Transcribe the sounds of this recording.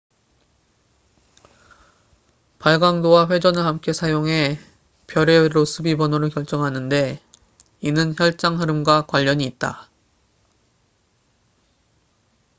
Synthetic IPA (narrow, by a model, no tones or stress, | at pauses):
paɭɡaŋdowaɸwe̞d͡ʑʌnɯɭhamk͈e̞sʰajoŋɦe̞ | pjʌɾeɾosʰɯbibʌnoɾokjʌɭt͡ɕ͈ʌŋɦanɯnde̞ | inɯnçjʌɭt͡ɕ͈aŋɦɯɾɯmɡwakwaʎːʌɲiːt̚t͈a̰